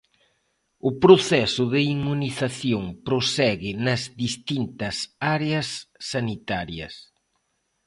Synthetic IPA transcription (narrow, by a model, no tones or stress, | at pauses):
ʊpɾoθɛsʊðɪimːuniθaθjoŋpɾosɛɣɪnɐzðist̪int̪ɐsaɾeɐsːanit̪aɾjɐ̰s